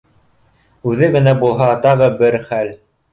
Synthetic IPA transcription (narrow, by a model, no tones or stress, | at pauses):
ʉðɘɡɘ̆næbulˠɦɑt̪ɑʁɤbɘɾχæl